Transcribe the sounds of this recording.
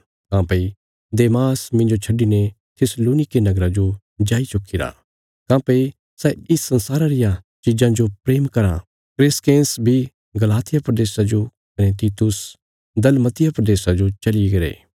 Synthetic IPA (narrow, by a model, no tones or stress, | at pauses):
kãːpei | d̪eːmaːsmɪ̃nd͡ʒot͡ʃʰɐɖine | t̪ʰɪsloːnɪkenɐɡɾad͡ʒo | d͡ʒaːit͡ʃʊkʰːiɾa̰ | kãːpei | sɛɪsːɐ̃nsaːɾaɾɪjat͡ʃid͡ʒãd͡ʒopɾeːmkɐɾã̰ | kɾɪskẽːnsbʱi | ɡɐlaːt̪ɪjapɾɐd̪eːsad͡ʒokɐnet̪iːt̪ʊs | d̪ɐlmɐt̪ɪjapɾɐd̪eːsad͡ʒot͡ʃɐliɡɐɾḛː